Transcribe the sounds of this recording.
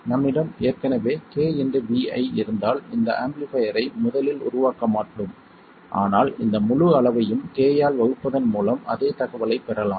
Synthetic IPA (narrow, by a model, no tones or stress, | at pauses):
nɐmːɪɽɐmeːrkɐnɐʋeːkeːɛndrɯʋiːɐ̰ɪɪɾɯnd̪aːlɪnd̪ɐ̰ʔɐmblɪfɐjɐɾɐɪmʊðɐlɪlʊ̰ɾʊʋaːkɐmaːʈːɯm | ʔa̰ːnaːlɪnd̪ɐmʊɻʊɐɭɐʋɐjɯmkeːjaːlʋɐɣɯpːɐðɐnmuːlɐmɐ̰ðeːt̪ɐɣɐʋɐlɐɪpːɛɾɐlaːm